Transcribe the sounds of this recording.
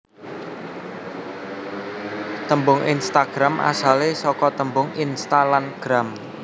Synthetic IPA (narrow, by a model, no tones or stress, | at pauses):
t̪əmbʊŋʔḭnst̪aɡ̥ɾamʔa̰salesɔkɔt̪əmbʊŋinst̪alanɡ̥ɾam